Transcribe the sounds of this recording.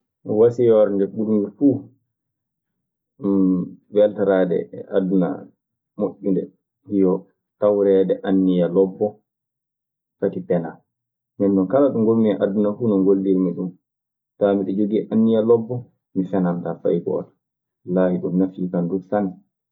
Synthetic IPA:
wasijɔɾndɛɓulmɡifuː | vɛltaɾaːdɛ̰ɛʔadːuna̰ | moʔːindɛ̰ | hijɔ | tawɾɛdɛʔanːijalɔbːɔ | katipɛnal | mɛnːɔnkalaɗuŋɡolmiɛʔadunafuːnɔŋɡolːilmiɗum | tamiɗɛd͡ʒoɡiʔanːijalɔbːɔ | mifɛnantafa̰jɡɔ̰t | laːhiɗumnafiːkanduksan

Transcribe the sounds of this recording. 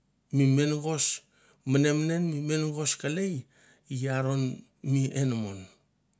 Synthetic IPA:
mime̞nɡo̞s | mane̞mnenmime̞nɡo̞skalej | ijaɾo̞n | miʔenmo̰n

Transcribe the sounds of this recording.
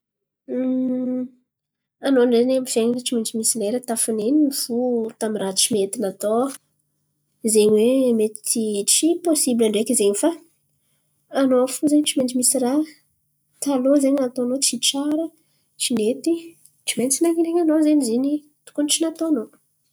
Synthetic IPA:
anoɳɖ͡ʐenamifenileʈ͡ʂimenʈ͡ʂimisileɾat̪afunenifut̪amirat͡ʃimet̪inat̪o | zeɲwemet̪i̥t̪iʈ͡ʂiposibilaɳɖ͡ʐekʲizeɲifa | noafuzeɲt͡ʃiment͡ʃimisira | t̪alozeɲnat̪oanot͡siʈ͡ʂaɾə | t͡ʃinet̪i | t͡ʃiment͡sinaɲiɾeɲanozeɲizini | t̪u̥kuniʈ͡ʂinat̪oano

